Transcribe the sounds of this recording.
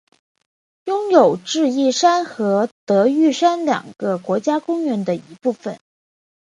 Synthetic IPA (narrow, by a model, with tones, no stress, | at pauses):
jʊ˥ŋjo˨˩ʊʈ͡ʂɻ̩˥˧i˥˩ʂa˥nxɤ˧˥t̪ɤ˧˥y˥˩ʂa˥nljɑ̰˨˩ŋɡ̥ə˧kwɔ˧˥t͡ɕja˥kʊ˥ŋɥɛ˧˥nd̪ə˧i˧˥pu˥˩fə̰˨˩˦n